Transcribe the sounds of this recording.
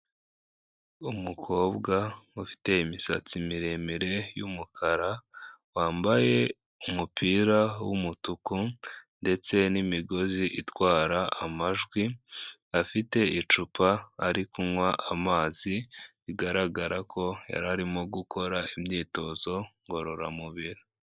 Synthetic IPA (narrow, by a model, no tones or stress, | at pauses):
umukʰo̞ːbɡaufi̥te̞imisa̰t͡simiɾe̞miɾe̞jumukʰaɾawaːmbaje̞ | umupiːɾawumutukunde̞t͡se̞nimiɡo̞ziʔitwaːɾaamaʒɡwiafite̞it͡ʃupʰaːɾikumwaʔamaːziβiɡaɾaɡaɾakʰo̞ja̰ɾaɾimo̞ɡukʰo̞ɾaimɲiːto̞ːzo̞ŋɡo̞ɾo̞ɾa̰muβiɾi